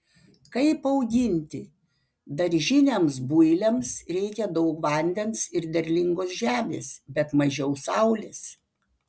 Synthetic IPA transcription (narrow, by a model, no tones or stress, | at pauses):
kɐɪpɐʊɡʲɪnʲt̪ʲɪ | d̪ɐɾʲʒʲɪnʲemsbʊɪlʲɛmsɾʲɛɪkʲɛd̪ɐʊkʋɐnʲd̪ʲɛnsɪɾd̪ʲɛɾʲlʲɪŋɡoːsʒʲæːmʲḛːsbʲɛt̪mɐʒʲɛʊsɐʊlʲɪs